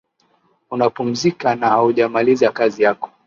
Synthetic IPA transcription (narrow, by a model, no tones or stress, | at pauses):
unapum̩zikanahauʄamalizakazijakɔ̥